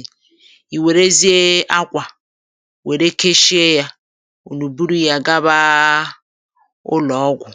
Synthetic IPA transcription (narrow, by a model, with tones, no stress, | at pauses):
i˨we˨ɾe˦zi˦e˦a˦kʷa˨ | we˨ɾe˦kʰe˦ʃi˦e˦ja˦ | o˨lu˨bu˦ɾu˦ja˨ɡa˦βa˦ | ʊ̰˦lɔ˨˦ɡʷʊ˨